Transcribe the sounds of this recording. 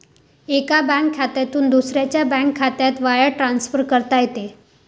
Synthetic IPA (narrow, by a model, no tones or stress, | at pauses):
ekabãkʰːat̪jat̪uːnd̪usɾjat͡ɕjabɛ̃ŋkʰːat̪jat̪ʋajəɽʈɾansfəɾkəɾt̪ajet̪e